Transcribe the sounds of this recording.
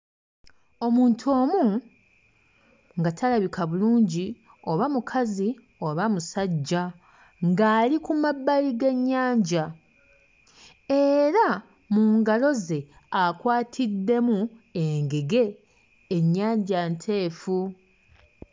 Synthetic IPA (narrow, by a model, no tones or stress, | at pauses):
o̞muːntʰo̞ːmu | ŋɡatʰalaβikaβuluːɲɟi | o̞βamukʰazi | o̞βamusaɟːa | ŋɡaːlikumabːaliɡe̞ɲːaːɲɟa | e̞ɾa | muːŋɡalo̞ze̞ | akwaːtʰid̪ːe̞mueŋɡe̞ɡe̞ː | ɲːaːɲɟantʰe̞ːfu